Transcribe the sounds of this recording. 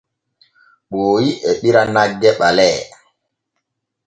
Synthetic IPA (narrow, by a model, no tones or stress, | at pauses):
ɓoːjiʔɛɗiɾanaɡːɛɓalɛː